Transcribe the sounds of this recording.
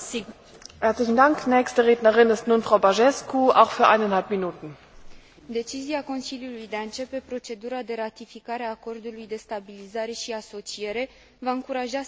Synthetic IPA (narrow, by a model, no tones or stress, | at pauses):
hɛɐtslɪçn̩daŋknɛːçstəʁeːdnəʁɪnɪstnuːnfʁ̥aʊbaʒɛskua̰ʊxfyːɐʔaɪnanhalpminuːtn̩ | d̪e̞t͡ʃiziako̞nsiljulujd̪e̞aɨnt͡ʃe̞pe̞pɾo̞t͡ʃe̞d̪uɾad̪e̞ɾat̪ifikaɾeaːko̞rd̪ulujd̪e̞st̪abilizaɾe̞ʃiaso̞t͡ʃie̞ɾe̞ | vaɨŋkuɾaʒa